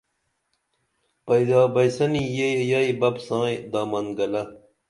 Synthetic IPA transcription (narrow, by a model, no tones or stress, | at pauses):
pɐjd̪aːbɐjsɐnijejɐibɐbsãːjd̪aːmɐnɡɐlɐ